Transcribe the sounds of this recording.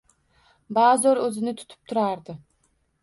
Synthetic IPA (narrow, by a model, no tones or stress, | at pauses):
bazoɾɵzɪnɪt̪ʰʊ̥t̪ʰɪ̥p̚t̪ʰʊɾaɾd̪ɪ